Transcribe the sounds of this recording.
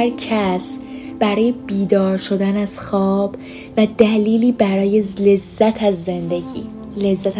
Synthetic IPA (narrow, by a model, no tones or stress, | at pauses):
æɾcʰæsb̥æɾɒːjebiːd̪ɒːɾʃo̞d̪ænæz̥xɒːb̥ | væd̪æliːliːbæɾɒːjelezːæt̪ʰæzːend̪e̞ɟḭː | le̞zːæt̪